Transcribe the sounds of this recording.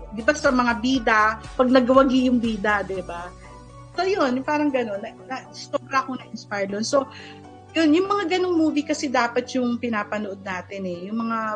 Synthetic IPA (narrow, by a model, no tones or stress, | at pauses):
d̪ɪbasɐmɐŋabiːd̪ɐpɐɡ̚nɐɡwɐɡijʊŋbiːd̪ɐd̪ɪba | so̞jonʊpaːɾɐŋɡɐno̞nːɐnɐsoːbɾɐɐkonɐʔɪnspajd̪onso̞ | jonjʊŋmɐŋaɡɐno̞ŋmuːvikɐsɛd̪aːpɐt̪̚jʊŋpɪnaːpɐnoʔo̞d̪̚naːt̪ɪnɛjʊŋmɐŋa